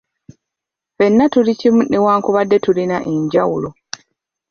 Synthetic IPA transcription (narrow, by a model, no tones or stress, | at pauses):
fe̞nːatulicimunewaːŋkuβadːe̞tulinaʔe̞ɲɟawulo